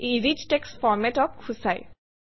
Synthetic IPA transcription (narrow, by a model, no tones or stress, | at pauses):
iɾid͡ʒʈeksfɔɾmɛʈɔp̚kʰusaj